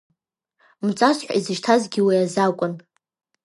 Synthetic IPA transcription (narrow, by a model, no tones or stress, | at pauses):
mt͡sʼasħʷa̰izɨʃtʰazɡʲiwiazakʷʼʊn